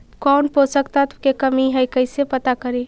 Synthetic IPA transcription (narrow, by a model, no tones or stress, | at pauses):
kɔnposəkt̪at̪kekəmiɦəjkəɪsepət̪akəɾi